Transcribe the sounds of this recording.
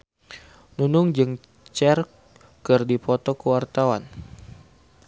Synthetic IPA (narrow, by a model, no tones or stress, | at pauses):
nunʊŋd͡ʒɨŋ | t͡ʃɛr | kɨrdipɔt̪ɔkəwart̪awan